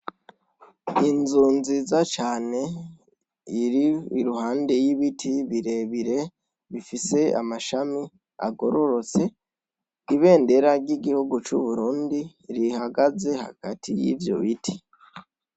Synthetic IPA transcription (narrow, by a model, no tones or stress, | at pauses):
inzuːnzizat͡ʃaːne̞ | iɾiiɾuɦaːnde̞jiβitʰiβiɾe̞βiɾe̞ | βifise̞a̰maʃami | a̰ɡo̞ɾo̞ɾo̞t͡se̞ | iβe̞ːnde̞ɾaɟiɡihuɡut͡ʃuβuɾuːndi | ɾihaɡaze̞ha̰ɡ̥atʰijḭvjo̞̰βitʰi